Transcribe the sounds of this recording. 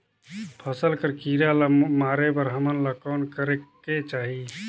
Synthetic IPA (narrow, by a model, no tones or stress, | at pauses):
pʰəsəlkəɾkiɾalamaɾebəɾɦəmənləkankəɾek | et͡ʃaɦi